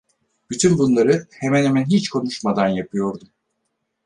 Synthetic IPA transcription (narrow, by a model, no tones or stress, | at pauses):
b̥yt̪ʰynbunlˠaɾɯhemɛnɦemænɦit͡ʃkʰo̞nuʃmad̪anjapʰɯjo̞ɾd̪um